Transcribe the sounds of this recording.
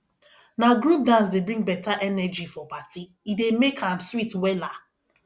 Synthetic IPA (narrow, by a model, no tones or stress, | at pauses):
naɡɾup̚dãns̬debɾĩŋbɛtaʔɛnɛd͡ʒifɔbati | idemekʰãmswitwɛla